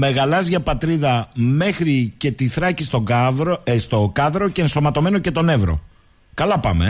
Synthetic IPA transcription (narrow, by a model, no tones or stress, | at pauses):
me̞ɣɐlɐzʝɐpɐt̪ɾiðɐme̞xɾice̞t̪iθɾɐcist̪o̞ɾst̪okɐðɾo̞ce̞ːnso̞mɐt̪o̞me̞no̞ce̞t̪o̞ne̞vɾo̞̰ | kɐlɐpɐ̰mḛ